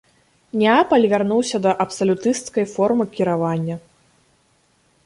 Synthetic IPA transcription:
nʲapɐlʲvʲarnuwsʲɐd̪ɐʔɐpsɐlʲut̪ɨst̪kɐjfɔrmɨkʲiɾavanʲːɐ

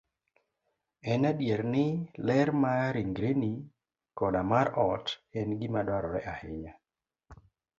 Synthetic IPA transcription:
ɛnadjeɾnɪlɛɾmaɾiŋɡɾeni | kɔnamaɾɔtɛnɡɪmadwaɾɔɾɛʔahɪɲa

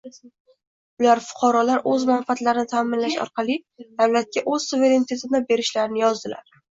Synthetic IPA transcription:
ʊlaɾfʊ̥qʰɑɾɒlaɾʔɵzmanfat̪laɾɪnɪt̪ʰaːmɪnlaʃɒ̰ɾqʰɑlˠid̪̥awlat̪̚kʲaʔɵzsuve̞ɾe̞nit̪ʰe̞t̪ɪd̪abe̞ɾɪʃlaɾɪnɪjɒzd̪ɪla̰ɾ

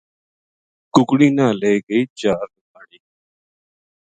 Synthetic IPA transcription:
kʊkɽiːnãːleːɡəiːt͡ʃaːɾnʊkaːɽiː

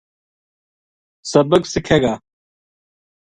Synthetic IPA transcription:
sɐbəksɪkʰeːɡaː

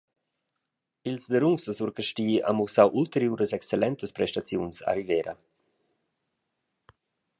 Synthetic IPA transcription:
ilsd̪əɾuŋsdəsuɾkəʃtiːa̰musawʔult̪əɾjuːɾəsɛkst͡selɛnt̪əspɾɛʃtat͡sjunsa̰ɾivɛːɾʔə̰

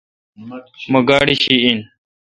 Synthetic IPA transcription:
mɐɡaːɽiɕiin

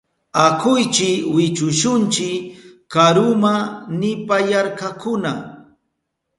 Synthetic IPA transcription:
akʊjt͡ʃɪkwɪt͡ʃʊʃʊnt͡ʃɪkkaɾʊmanɪpajaɾkakʊna

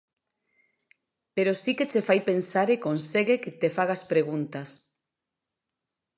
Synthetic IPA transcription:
peɾosiket͡ʃefajpensaɾekonseɣeket̪efaɣ̞aspɾeɣ̞unt̪as

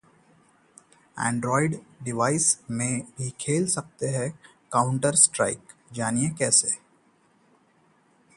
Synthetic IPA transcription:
ɛ̰̃ːɳɖɾɔːɪɖɖɪʋaːɪsmẽbʱikʰeːlsɐk̚t̪eɦɛ̃ | kaːʊ̃ɳʈəɾsʈɾa̰ːɪkd͡ʒaːniekɛːse

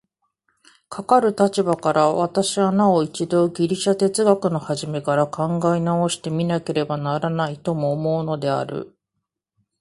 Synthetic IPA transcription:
kʰakaɾɯ̟t̪at͡ɕibakaɾaβat̪aɕianao̞it͡ɕid̪o̞ːɡʲiɾʲiɕat̪e̞t͡sɨɡakɯ̟no̞haʑime̞kaɾakãŋɡainao̞ɕi̥t̪e̞mʲinake̞ɾe̞banaɾanait̪omo̞ːmo̞ɯno̞d̪e̞a̰ɾɯ̟̰

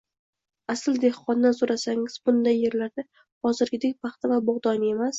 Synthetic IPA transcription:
asɪld̪e̞hqɒnːasoɾasaŋɪz̥bʊnd̪ajːe̞ɾlaɾd̪ɪ | hɒzɪɾɡʲɪd̪ek̚ʲpʰɑχt̪ʰɪvabʊʁd̪ɒne̞mas

